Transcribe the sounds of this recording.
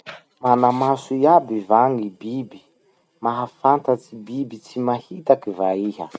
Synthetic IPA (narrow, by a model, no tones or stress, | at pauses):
manamasuiabivaŋibibi̥ | maɦafant̪at͡sibibit͡simahit̪akivaiɦə̰